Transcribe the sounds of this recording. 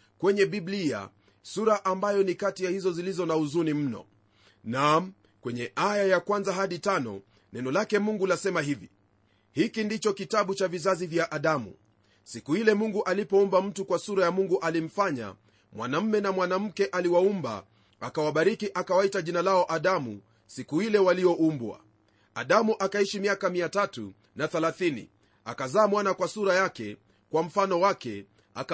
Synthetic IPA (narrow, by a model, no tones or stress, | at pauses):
kwɛɲɛɓiblia̰ | suɾaʔambajɔnikatijahizɔzilizɔnauzunim̩nɔ̰ | nam | kwɛɲɛʔajajakwanzaɦaɗitanɔ̰ | nɛnɔlakɛmuŋɡulasɛmahivḭ | hikindit͡ʃɔkitaɓut͡ʃavizazivjaʔaɗamṵ | sikuhilɛmuŋɡuʔalipɔumbam̩tukwasuɾajamuŋɡuʔalim̩faɲa̰ | mwa̰nam̩mɛnamwanam̩kɛʔaliwaumba̰ | akawaɓaɾikiʔakawaitaʄinalaɔʔaɗamu | sikuhilɛwaliɔʔumbwa̰ | a̰ɗamuʔakaiʃimiakamiatatṵ | naθɛlaθinḭ | a̰kazaːmwanakwasuɾajakɛ | kwam̩fanɔwakɛ | a̰k